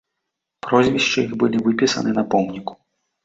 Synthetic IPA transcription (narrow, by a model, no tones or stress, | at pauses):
pɾɔzʲvʲiʂt͡ʂɨixbɨlʲivɨpʲisɐ̰nɨnɐpɔmnʲiku̥